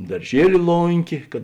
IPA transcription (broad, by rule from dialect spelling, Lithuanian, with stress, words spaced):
dɐrʲˈʒʲiɛlʲɪ ˈlˠoːŋʲkʲeː kɐt